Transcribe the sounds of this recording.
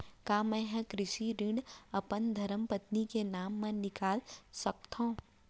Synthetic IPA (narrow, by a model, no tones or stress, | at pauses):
kaːmɛ̃ːɦɛ̃kɾɪʃiɾɪ̃ɳɖɐpənd̪ʱɐɾəmpət̪nikenaːmːẽnɪkaːlsək̚t̪ʰõː